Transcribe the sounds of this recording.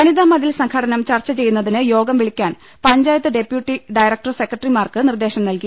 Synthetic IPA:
kɐniðaːmɐðilsɐŋkʰɐɽɐnɐmt͡ɕɐrt͡ɕːɐt͡ɕe̞junːɐðinɨjo̞ːɡɐmʋiɭikʲːaːn | pɐɲd͡ʑaːjɐt̪ːɨɖe̞pjuʈːiɖɐjɾɐk̚ʈɐrse̞kːɐʈrimaːrkɨnird̪e̞ːɕɐmnɐlki

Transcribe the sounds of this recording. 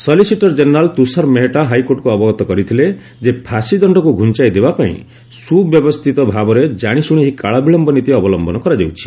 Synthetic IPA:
sɔlisiʈɔɾd͡ʒeneɾalt̪usaɾmeɦeʈaɦajkoʈkuɔbɔɡɔt̪ɔkɔɾit̪ʰile | d͡ʒepʰasid̪ɔɳɖɔkuɡʱunt͡ʃajd̪ebapaḭ̃ | subjɔbɔst̪ʰit̪ɔbʱabɔɾed͡ʒaɽ̃isuɽ̃iɦikaɭabiɭɔmbɔnit̪iɔbɔlɔmbɔnɔkɔɾad͡ʒewt͡ʃʰi̥

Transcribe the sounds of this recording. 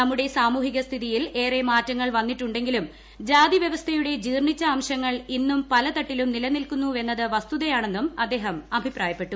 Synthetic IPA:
nɐmːuɽe̞saːmuːɦiɣɐst̪ʰiðijile̞ːremaːtːɐŋːɐɭʋɐnːiʈːuɳɖe̞ŋɡilum | d͡ʑaːd̪iʋjɐʋɐst̪ʰɐjuɽe̞d͡ʑiːrɳit͡ɕːɐaːmɕɐŋːɐɭinːumpɐlɐt̪ɐʈːilumnilɐnilkunːue̞nːɐðɨʋɐst̪uðɐjaːɳe̞nːumɐd̪ːe̞ːɦɐmɐbʱipraːjɐpːe̞ʈːu

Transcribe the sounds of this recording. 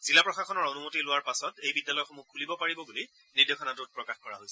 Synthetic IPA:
zilapɹɔxaxɔnɔɹonumotilʊwaɹpasɔtejbidːalɔjɔxɔmuk̚ʰulibɔpaɹibɔɡuli | niɹdexʰɔnatʊt̚pɹɔkaxkɔɹaɦojsɛ

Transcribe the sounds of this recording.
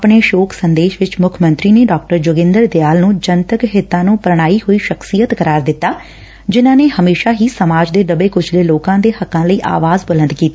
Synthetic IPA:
pɳeːʃoːksənd̪eːʃʋɪt͡ʃmʊkʰmə̃nt̪ɾiːneːɖɔːk̚ʈəɾd͡ʒoːɡɪ̃nd̪əɾd̪eaːlnũːd͡ʒənt̪əkɦɪt̪ːãːnũːpɾəɽ̃aːiːɦoːiːʃəksijət̪kəɾaːɾd̪ɪt̪ːaː | d͡ʒɪnãːneːhəmeːʃaːɦiːsəmaːd͡ʒd̪eːɖəbeːkʊt͡ʃʰleːloːkãːd̪eːhəkːãːləiːʔa̰ːʋaːzbələ̃nd̪kiːt̪a

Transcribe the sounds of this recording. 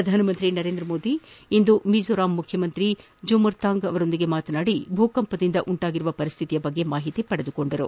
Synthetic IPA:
ɾɐd̪ʱaːnɐmɐnt̪ɾinɐɾe̞ːnd̪ɾɐmo̞ːd̪iind̪umiːd͡ʒoːɾaːmːukʰjɐmɐnt̪ɾi | d͡ʒumɐɾt̪ʰaːŋɡɐʋɐɾo̞nd̪iɡe̞maːt̪ɐnaːɽibʱuːkɐmpɐd̪ind̪ɐʔuɳʈaːɡiɾuʋɐpɐɾist̪ʰit̪ijɐbɐɡːe̞maːɦit̪ipɐɽed̪uko̞ɳɖɐɾṵ

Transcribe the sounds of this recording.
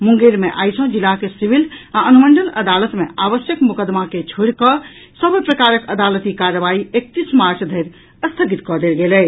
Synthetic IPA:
mũŋɡeɾmeʔa̰jsõd͡ʒilakesiʋilaənuməɳɖələd̪alət̪meaʋəsjəkmukəd̪maket͡ʃʰoɽkɔ | səbpɾəkaɾəkəd̪alət̪ikaɾːəʋaiek̚t̪ismaɾt͡ʃʰd̪ʱəjɾ | əst̪ʰəɡit̪kɔd̪elɡelɛ

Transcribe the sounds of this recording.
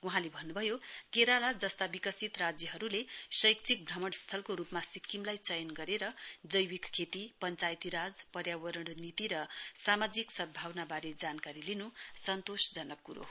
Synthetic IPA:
uɦãlebʱʌnːubʱʌjokeɾalad͡zʌst̪abikʌsit̪rad͡zjʌɦʌɾulesʌjkt͡sʰik̚bʱrʌmʌɽst̪ʰʌlkoɾupmasikʰːimlajt͡sʌjʌnɡʌɾeɾʌd͡zʌjwikkʰːet̪ipʌnt͡sajt̪iɾad͡zpʌrjawʌɾʌɽ̃nit̪iɾʌsamad͡ziksʌd̪̚bʱawnabaɾed͡zankaɾilinusʌnt̪osd͡zʌnʌkkuɾo̰

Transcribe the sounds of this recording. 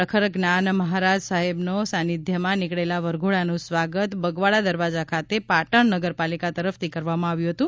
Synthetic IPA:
əkʰəɾɡnanməɦaɾad͡ʒsaɦebnosanid̪ʱjəmãnɪkɭelaʋəɾɡʱoɭanũsʋaɡət̪bəɡʋaɭad̪əɾʋad͡ʒakʰat̪epaʈəɳnəɡəɾpalikat̪əɾəft̪ʰikəɾʋamãaʋjũɦət̪ũ

